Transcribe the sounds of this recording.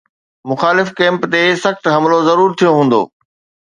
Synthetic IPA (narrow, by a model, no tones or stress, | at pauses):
mʊxaːlɪfkɛ̃ːmpt̪esɐxt̪ɦɐmlozɐɾuːɾt̪ʰijoɦũːn̆d̪o̰ː